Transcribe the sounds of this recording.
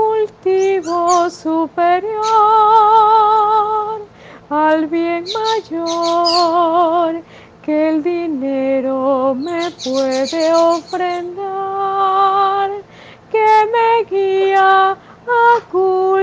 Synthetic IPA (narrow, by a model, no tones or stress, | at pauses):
kult̪iβosupeɾjo | ɾ | alβjeŋmaʝo | ɾ | keld̪ineɾomepweðeofɾend̪a | ɾ | kemeɣia | aku